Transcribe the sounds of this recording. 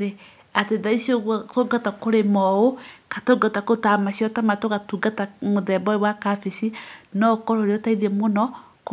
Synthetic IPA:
ɾe | ateðaiʃoɣwatoɡatakoɾemɔokatoɡɔtakotamaʃiɔtamatokatuɡatamoðɛbɔewakafiʃinɔkɔɾoɾeotaiðiɛmonɔ | k

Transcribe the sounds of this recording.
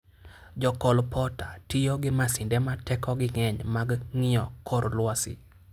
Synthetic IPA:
d͡ʒɔkɔlpʰɔtatɪjoɡɪmasɪndɛmatɛkɔɡɪŋɛɲmaɡŋɪɔkʰɔɾlwasɪ̰

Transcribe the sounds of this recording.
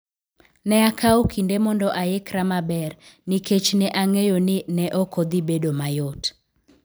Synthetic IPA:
nɛakaokʰindemɔndɔʔaekɾamabɛrnɪket͡ʃnɛʔaŋejonɪnɛʔokod̪ibedomajot

